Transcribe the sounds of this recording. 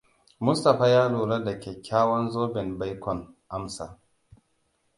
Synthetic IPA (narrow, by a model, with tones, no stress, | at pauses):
mʊ˦sta˨ɸa˦jaː˦luː˨la˦dɐ˨kʲeː˨kʲaː˦wɔ˦nzoː˦bɪ˨nba˦jkʷɔ˨n | ʔa˦msa̰˨